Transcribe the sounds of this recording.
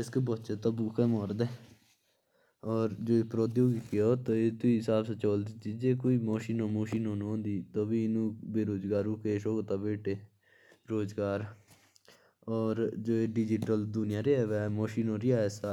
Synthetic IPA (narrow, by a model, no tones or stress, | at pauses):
ɪskebotːt͡ʃeːt̪õːbuːkʰeːmɔːɾd̪eː | ɔːɾd͡ʒoːepɾoːd̪jõːɡikeoːt̪oːeːt̪ʊiːɪsaːbsət͡ʃoːld̪iːt͡ʃiːd͡ʒeːkoːiːmoːʃiːnoːmoːʃiːnoːnũõːnd̪iːt̪oːbiːɪnũːbeːɾoːd͡ʒɡaːɾũːkeːʃoːɡt̪aːbeːʈʰeː | ɾoːzɡaːɾ | ɔːɾd͡ʒoːeːɖɪd͡ʒɪʈəld̪ʊnɪjãːɾeːɛːʋɛːmoːʃiːnoːɾɪaːɛsa